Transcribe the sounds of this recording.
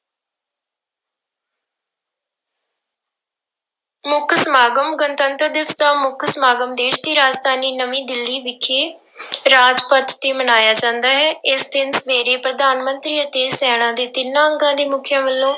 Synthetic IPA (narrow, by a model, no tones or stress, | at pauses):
mʊkʰsmaːɡəmɡənt̪ənt̪əɾd̪ɪʋəsd̪aːmʊkʰsmaːɡəmd̪eːʃd̪iːɾaːd͡ʒd̪aːniːnəmĩːd̪ɪlːiːʋɪkʰːeː | ɾaːd͡ʒpət̪ːeːmənaːjaːd͡ʒãːnd̪aːɦɛːɪsd̪ɪnsʋeːɾeːpɾəd̪aːnmənt̪ɾiːət̪eːsɛːɽ̃ãːd̪eːt̪ɪnːãːəŋɡãːd̪eːmʊkʰjãːʋəlːõː